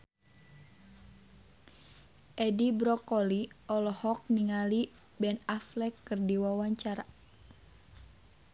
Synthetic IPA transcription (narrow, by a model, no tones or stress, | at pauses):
ʔɛdibɾɔkɔliɔlɔhɔk̚niŋali | bɛnaflɛkːɨrdiwawaɲt͡ʃaɾa